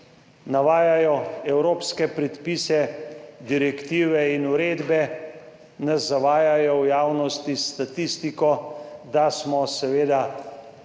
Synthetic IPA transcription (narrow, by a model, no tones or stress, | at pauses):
naʋaːjajɔɛwɾoːpskɛpɾɛt̪piːsɛd̪iɾɛkt̪iːʋɛinuɾeːd̪bɛ | nazːaʋaːjajɔwjaːwnɔst̪ist̪at̪ist̪ikɔd̪asmɔsɛʋeːd̪a